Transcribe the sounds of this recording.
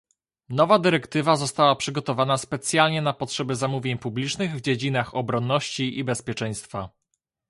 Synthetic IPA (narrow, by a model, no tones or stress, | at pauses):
nɔvad̪ɘɾɛkt̪ɘvazɔst̪awapʂɘɡɔt̪ɔvanaspɛt̪sʲjalɲɛnapɔtʂɛbɛzamuvʲjeɲpublʲit͡ʂnɘɣvd͡ʑed͡ʑinaxɔbɾɔnːɔɕt͡ɕiʔibɛspʲjɛt͡ʂɛj̃st̪fa